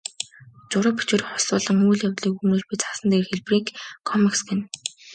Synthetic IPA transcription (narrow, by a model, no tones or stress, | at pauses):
t͡ɕʊɾɔpe̥t͡ɕuːɾiχʊ̥sʊːɮə̆ŋuːɮjawt̪ɮiːkunuːt͡ɕpiːt͡sḁsə̆nt̪eːrxeɮpriːkʰːɔmiksɡen